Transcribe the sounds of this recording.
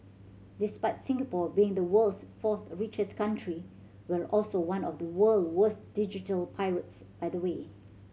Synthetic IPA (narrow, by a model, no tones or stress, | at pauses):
dɪspaɪtsɪ̃ŋɡəpɔbiɪ̃ŋdəwəlsfɔθɹit͡ʃəskãntʰɹi | wɛlʔɔlsowãnɔfdəwəlwəsd̥id͡ʒitəlpʰaɪɹətsb̥aɪdəwe